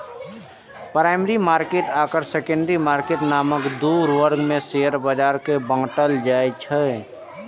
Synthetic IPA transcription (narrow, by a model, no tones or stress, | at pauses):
pɾaːɪmɾimaːɾkeːʈaːkəɾsekə̃ɳɖɾimaːɾkeːʈnaːməkd̪uːɾʋəɾɡmẽseːjəɾbəd͡ʒaːɾkebə̃ŋɡʈəld͡ʒaːjt͡ʃʰə